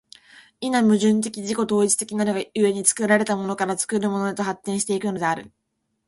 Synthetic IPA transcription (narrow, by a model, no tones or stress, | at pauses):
inamɯ̟ʑɨ̃nt̪e̞kʲiʑiko̞t̪o̞ːit͡ɕɨ̥t̪e̞kʲinaɾoɡaɯ̟e̞ɲ̟it͡sɨ̥kɯ̟ɾaɾe̞t̪amo̞no̞kaɾat͡sɨ̥kɯ̟ɾɯ̟mo̞no̞d̪at̪o̞ɦat̪ːẽ̞ɰ̃ɕi̥t̪e̞ikɯ̟no̞d̪e̞aɾɯ̟